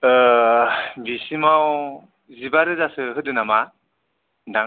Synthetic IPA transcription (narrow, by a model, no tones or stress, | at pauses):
bisimaw | zibaɾɯzasɯɦɯdɯnama | daŋ